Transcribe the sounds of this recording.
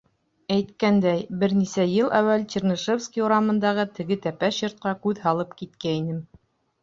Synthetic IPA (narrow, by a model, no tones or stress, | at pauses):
æjt̪kænd̪æjbɘɾnisæjɤlˠʔæwælt͡ɕĕrnɤ̆ʃofskʲiuɾɑmɤ̆nd̪ɑʁɤt̪ɘ̆ɡɘt̪æpæɕŏɾt̪̚qɑkʉðɦɑlˠɤpkit̪kæinɘm